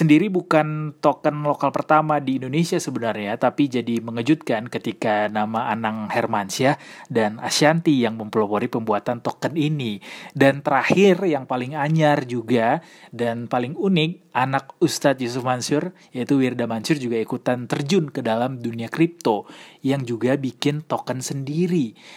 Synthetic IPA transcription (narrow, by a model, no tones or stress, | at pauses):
səndiɾibukant̪okənlokalpərt̪amadiːndonesiasəbənarɲat̪apid͡ʒadiməŋəd͡ʒut̪̚kankət̪ikanamaʔːnaŋhɛrmansiadana̰siant̪ijaŋməmplopoɾipəmbuat̪ant̪okəninidant̪əɾahɪrjaŋpalɪŋaɲard͡ʒuɡadanpalɪŋunɪk̚ʔanak̚ust̪at̪̚jus̬ufmansʊr | jait̪uwirdamansʊrd͡ʒuɡaikut̪ant̪ərd͡ʒʊnkədalamduniakɾip̚t̪ojaŋd͡ʒuɡabikɪnt̪okənsəndiɾi